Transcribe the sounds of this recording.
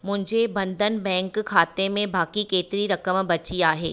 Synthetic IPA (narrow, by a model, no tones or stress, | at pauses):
mʊ̃ɦɪ̃ɲd͡ʑebɐ̃nd̪ʱənbɛ̃ːŋkkʰːaːt̪emẽbaːkikeːt̪ɪɾiɾɐkəmbɐt͡ʃiaːɦḛː